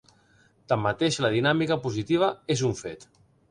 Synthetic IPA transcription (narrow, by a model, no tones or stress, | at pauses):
t̪amːat̪eʃləð̞inamikəpuzit̪iβ̞aezuɱfet̪